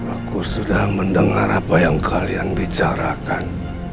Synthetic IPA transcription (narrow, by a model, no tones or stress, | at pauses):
akusudahməndəŋa̰ɾapajaŋkʰaljaŋbit͡ʃaɾakan